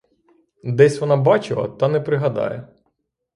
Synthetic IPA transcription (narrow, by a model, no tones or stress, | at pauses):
d̪ɛsʲʋɔnɑbɑt͡ʃɪlˠɐ̰t̪ɑnɛpɾɪɦɐd̪ɑ̰jɛ